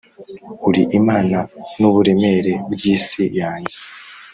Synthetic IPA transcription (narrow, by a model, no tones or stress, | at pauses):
uɾiʔimaːnanuβuɾe̞meɾe̞bɟiːsijaːɲɟe